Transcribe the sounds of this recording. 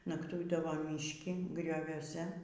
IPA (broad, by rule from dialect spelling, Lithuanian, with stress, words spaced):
nɐkˈtʊɪdɐʋoː mʲɪʃʲˈkʲɪ ɡrʲoːʋʲuɔˈsʲɛ